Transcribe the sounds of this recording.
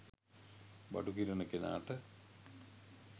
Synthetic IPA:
bɐ̰ʈukiɾɐnɐkːena̰ːʈːɨ

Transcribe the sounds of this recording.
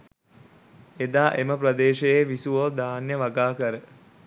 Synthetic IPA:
ed̪aːʔeməprɐd̪eːʃejeʋisuʋoːd̪aːnjəʋaɡaːkəɾə

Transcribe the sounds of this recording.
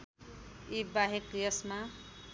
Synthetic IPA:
ibaɦekjʌsma

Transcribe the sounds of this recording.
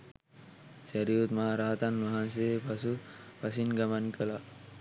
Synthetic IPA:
sɐɾiut̪maɾaːt̪anmɐɦansepɐsupɐs̬inɡɐmankɐla

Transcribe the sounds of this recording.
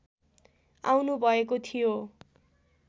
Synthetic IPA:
a̰wnubʱʌekot̪ʰijo

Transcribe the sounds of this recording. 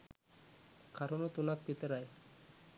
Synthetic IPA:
kʰaɾonot̪unak̚pit̪eɾaj

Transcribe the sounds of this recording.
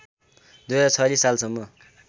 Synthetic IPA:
d̪ujʌat͡sʰʌlissalsʌmːʌ

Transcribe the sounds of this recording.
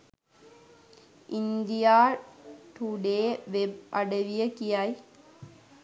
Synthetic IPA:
ʔɪnd̪ijaːʈuɖeːʋebɐɽɐʋijɐkijaːj

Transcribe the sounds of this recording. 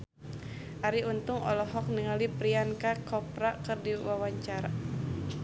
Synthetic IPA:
ʔaɾiunt̪ʊŋɔ̰lɔɦɔk̚niŋalipɾiankakɔpɾakərdiwawaɲt͡ʃaɾa

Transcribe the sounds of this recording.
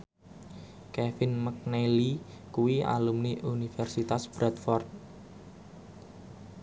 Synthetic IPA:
kɛfɪnmək̚neli | kuwia̰lumniʔunifɛrsit̪asb̥ɾat̪fɔrt̪̚

